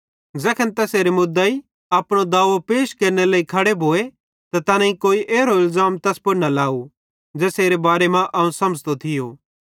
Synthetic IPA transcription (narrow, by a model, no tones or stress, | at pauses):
zɛkʰənt̪ɛːseːɾemʊd̪ai | aːpɽ̃od̪aːʋopeːʃkɐɾneleːikʰɐɽebʱoːe | t̪at̪ɐnãĩkoːiʔeːɾoɪlzaːmt̪ɛspʊɽnalaːu | d͡ʒɛːseːɾebaːɾemãʔɐũsɐməd͡ʒt̪ot̪ʰɪjoː